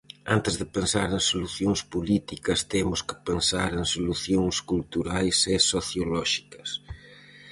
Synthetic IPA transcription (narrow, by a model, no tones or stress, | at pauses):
ant̪ɪzðɪpensaɾẽŋsoluθjoŋspolit̪ikɐst̪emʊskɪ̥pensaɾeŋsoluθjoŋskult̪uɾajsesoθjolɔʃi̥kɐs